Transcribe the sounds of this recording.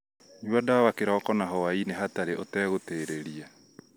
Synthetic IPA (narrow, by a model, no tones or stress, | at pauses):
ɲwadawakeɾɔkɔnaɦɔwaineɦataɾeʔotɛɣoteːɾeɾia